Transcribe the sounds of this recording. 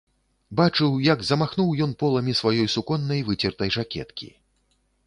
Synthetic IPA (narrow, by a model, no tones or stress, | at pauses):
bat͡ʂɨwjɐɡzɐmaxnuwjɔnpɔlˠɐmʲisvajɔjsukɔnːɐjvɨt͡sʲɛrt̪ɐjʐakʲɛ̰t̪kʲḭ